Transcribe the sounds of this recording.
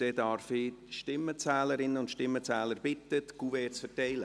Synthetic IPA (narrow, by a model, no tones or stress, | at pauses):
d̥ɛːdɑɾfiʃtɪmːət͡sɛːləɾɪnəʊntʃtɪmːət͡sɛːləɾbɪt̪ətɡ̥uvɛːt͡sfəɾtɛɪlə